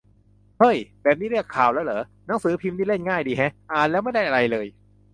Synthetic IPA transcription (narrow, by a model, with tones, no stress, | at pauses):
hɤ˥˩jbɛː˨˩p̚niː˥˩ɾɯ˥˩əkʰːaː˨˩wlɛː˦˥wlɤː˩˦na˩˦ŋsɯː˨˩˦pʰi˧mniː˥˩le˥˩nŋaː˥˩jdiː˧ɦɛ˦˥ʔaː˨˩nlɛː˦˥wma˥˩jda˥˩jʔa˧ɾa˧jlɤː˧j